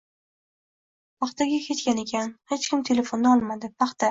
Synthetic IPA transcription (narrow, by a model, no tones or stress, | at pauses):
pʰɑχt̪aɡʲakʲʰe̞t̪kʲane̞kʲʰanhe̞t͡ʃkʲɪmt̪ʰe̞le̞fo̞nd̪aɒlˠmad̪ɪpʰɑχt̪a